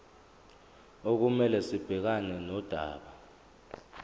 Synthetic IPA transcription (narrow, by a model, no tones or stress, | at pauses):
ok̬umɛlɛsib̥ʱɛk̬anɛnɔd̥ʱa̰ːɓa